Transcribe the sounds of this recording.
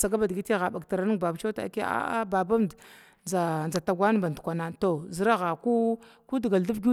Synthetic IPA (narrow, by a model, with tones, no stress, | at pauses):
sa˨ɡa˦ba˨dɡi˦ti˦ɣa˨ba˨ɡta˨ɾa˨nu˦ŋba˨bt͡ʃa˦ta̰˨˦ke˦a̰˦a˦ba˨ba˦md | nd͡za˨nd͡za˨ta˨ɡʷa˦n˦ba˨ndu˨kʷa˨na˨to˨zi˦ɾa˦ɣa˨ku˦ku˦dɡa˨ldu˦bɡʲu˦